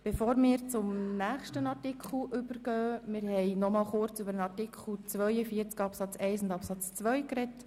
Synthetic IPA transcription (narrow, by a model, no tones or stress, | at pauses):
b̥efoːɾmɪːɾt͡sʊmnæːχʃtənɑrtɪkʰl̩ʔʏbəɾɡ̥œːmɪːɾhɛɪnɔmɑːlχʊɾt͡sʏbəɾənɑrtɪkʰl̩ˠt͡sʋœʏjəfiəɾt͡skɑpsɑt͡sɛɪsʊndɑpsɑt͡st͡sʋœʏkɾɛt